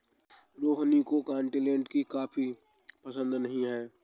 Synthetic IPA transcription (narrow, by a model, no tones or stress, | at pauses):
ɾoːɦnikokãːɳʈilẽːɳʈkikaːpʰi | pəsə̃nd̪nəɦĩɦɛː